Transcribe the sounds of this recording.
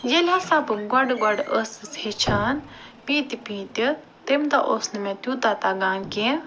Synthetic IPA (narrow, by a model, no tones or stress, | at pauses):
jelʲasabɨɡwaɖɡwaɖəsɨshet͡ʃʰaːn | pĩːt̪ipĩːt̪i | t̪emt̪aʔosnɨmẽt̪jũːt̪at̪aɡãːnkẽ